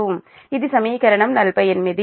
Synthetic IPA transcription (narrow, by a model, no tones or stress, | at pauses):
um | ɪðɯsɐmiːkɐɾɐɳɐmnɐlpɐjɛnmɪði